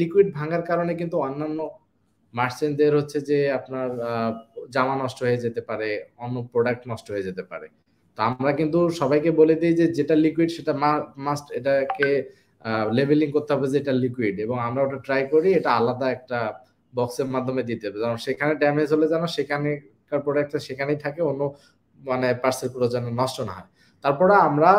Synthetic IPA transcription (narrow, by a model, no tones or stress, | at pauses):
likuiɖ̚bʱaŋaɾkaɾonek̬int̪uɔnːanːo | maɾt͡ɕind̪eɾɦotːɕʰed͡ʑeapnaɾ | d͡ʑamanɔʃʈoɦoed͡ʑet̪epaɾeɔnːopɾoɖak̚ʈnɔʃʈoɦoed͡ʑet̪epa̰ɾḛ | t̪oamɾakint̪uʃɔbajkeboled̪ijd͡ʑed͡ʑeʈalikuiɖʃeʈamamasʈeʈake | lebʱeliŋkoɾt̪eɦɔbed͡ʑeeʈalikuiɖeboŋamɾaoʈaʈɾajkoɾieʈaalad̪aɛk̚ʈa | bɔkseɾmad̪ʱːomed̪it̪eɦɔbed͡ʑaɾonʃekʰaneɖamed͡ʑɦoled͡ʑanoʃekʰani | kaɾpɾoɖak̚ʈeʃekʰanijt̪ʰakeonːo | manepaɾseɾkɔɾod͡ʑanonɔʃʈonaɦɔe | t̪aɾpɔɾamɾa